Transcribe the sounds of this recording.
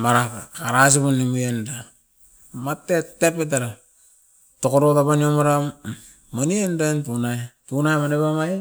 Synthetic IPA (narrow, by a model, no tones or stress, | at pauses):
maɾakakaɾas̬iβanːimuenda | matːetːepetaɾa | tokoɾotaβaniomaɾamː | aniendantunaetunajmaneβamaj